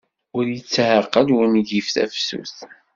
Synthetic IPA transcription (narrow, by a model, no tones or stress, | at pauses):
ʊɾjət͡sːhəqːəlwəmiɡifθæ̰fsṵθ